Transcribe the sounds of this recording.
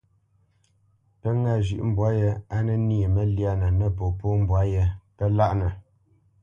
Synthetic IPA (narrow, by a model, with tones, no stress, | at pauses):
pə˦ŋa˦˨ʒḭ˨ʔm̩˨bwa˦je˦a˦nə˦ni˦e˨mə˦lja˦na˨nə˦˨po˨po˦m̩˨bwa˨˦je˦pə˦la˦ʔnə˨